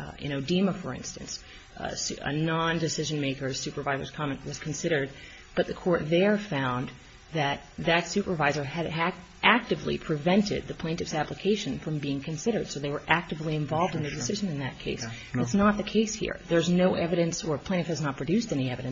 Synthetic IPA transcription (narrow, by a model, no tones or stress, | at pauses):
ɪ̰̃noʊdĩməfə˞ɪ̰̃nstɨ̃ns | sə̰nɑ̃ndɨsɪʒɨ̃nmeɪkə̥˞sʉpə˞vaɪzə̰˞z̥kʰɑmɨ̃nʔwʌz̥kʰn̩sɪɾə˞d̚ | b̥ʌt̪̚ðɨkʰɔɹt̪̚ðə˞fãʊ̃n | ðɨt̪̚ðɨtsʉpə˞vaɪzə˞ɨɾɨɾ | ʔæk̚tɨvlḭpʰɹ̥ɨvɛ̃ntɪ̰d̪̚ðɨpʰl̥ẽɪ̃ntɨfsæpləkʰeɪʃɨ̃nfɹʌ̃mbiɪ̃ŋkʰɨ̃n̩sɪɾə˞d̥soʊðeɪwə˞ʔæk̚tɨvliɨ̃ɱvɑlˠvdɨ̃nðɨdɨsɪʒɨ̃nɨ̃nðɨt̚kʰeɪs | ætsnət̪̚ðɨkʰeɪshḭɹðə˞znoʊʔɛvɨɾɨ̃nsə˞pʰl̥ẽɨfhɨznət̚pʰɹ̥ɨdʉstɛñiɛvɨɾɨ̃n